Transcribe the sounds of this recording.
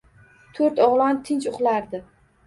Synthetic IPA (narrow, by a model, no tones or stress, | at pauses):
t̪ʰoɾt̪ɒʁlˠɒnt̪ʰɪnt͡ʃʊχlaɾd̪ɪ